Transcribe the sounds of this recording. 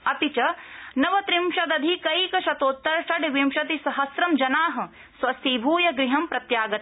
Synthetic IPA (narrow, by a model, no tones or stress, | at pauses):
ɐt̪it͡ʃɐnɐʋɐt̪ɾimʃɐd̪ɐd̪ʱikɐjkɐʃɐt̪oːt̪ːɐɾʃɐɖʋimʃɐt̪̬isɐɦɐsɾɐmd͡ʒɐnaːɦɐ̆ | sʋɐsibʱuːjɐɡɾiɦɐmpɾɐt̪jaːɡɐ